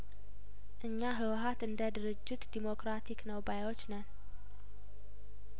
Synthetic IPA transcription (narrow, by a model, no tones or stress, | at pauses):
ʔɨɲːaɦɨwɦat̪ɨnd̪əd̪ɨɾɨd͡ʒːɪt̪d̪imokɾat̪ʰiknəwbajwot͡ʃːnən